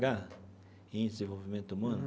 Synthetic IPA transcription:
ɡa | ẽj̃d̪ezẽvowvimẽnt̪ʊumɐ̃nʊ

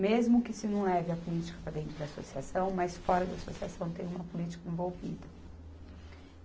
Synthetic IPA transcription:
mezmʊkɪsɪnɐ̃w̃ɛvɪɐpʊlit͡ʃi̥kɐpɾad̪ẽnt̪ɾʊd̪ɐasosiasɐ̃w̃majsfɔɾɐd̪ɐasosiasɐ̃w̃t̪ẽj̃ũmɐpʊlit͡ʃi̥kɐẽvowvḭd̪ɐ

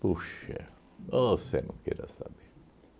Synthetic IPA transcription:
puʃɛ | osenɐ̃kɛɾɐ̰sa̰be

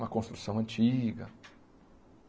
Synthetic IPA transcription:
mɐkõst̪ɾusɐ̃w̃ɐ̃nt͡ʃiɡɐ̰

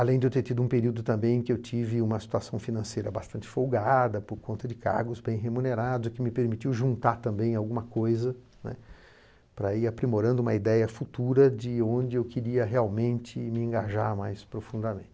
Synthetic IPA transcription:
alẽj̃d̪ewt̪eɾt̪id̪ʊũpeɾiwd̪ʊt̪ɐ̃mbẽj̃ẽkɪewt͡ʃivɪũmɐsi̥t̪uasɐ̃w̃finɐ̃sejɾɐbast̪ɐ̃nt͡ʃɪ̥fowɡad̪ɐpoɾkõnt̪ɐd͡ʒɪka̰ɾɡʊzbẽj̃ɦemũneɾad̪ʊzɪkɪmɪpeɾmit͡ʃiwʒũnt̪aɾt̪ɐ̃mbẽj̃awɡũmɐkojzɐ | nɛ̰ | pɾɐiɾapɾimoɾɐ̃nd̪ʊuũmɐid̪ɛjɐfut̪uɾɐd͡ʒɪõnd͡ʒɪewkɪɾiɐɦeawmẽnt͡ʃɪmɪẽŋɡaʒaɾmajspɾofũnd̪ɐmẽnt͡ʃɪ

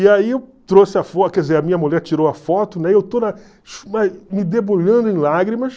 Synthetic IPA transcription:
iaiewt̪ɾosɪɐfɔt̪kɛdd͡ʒɪzeɾɐmĩɲɐmuʎɛɾt͡ʃiɾowɐfɔt̪ʊnɛewt̪onɐ | ʃmamɪd̪eboʎɐ̃nd̪ʊẽlaɡɾimɐs

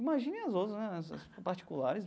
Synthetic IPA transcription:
imaʒĩnẽj̃ɐzowt̪ɾɐznɛɛsɐ̰spaɾt͡ʃi̥kulaɾɪs

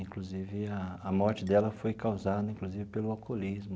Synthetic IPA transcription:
ĩkluzivɪɐɐmɔɾt͡ʃɪd̪ɛlɐfojkawzad̪ɐĩkluzivɪpelʊawkolizmʊ

